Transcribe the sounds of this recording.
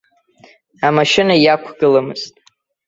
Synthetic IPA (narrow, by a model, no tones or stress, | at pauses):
amaʃɪnajakʷʰɡɨlamɨ̰z̥tʼ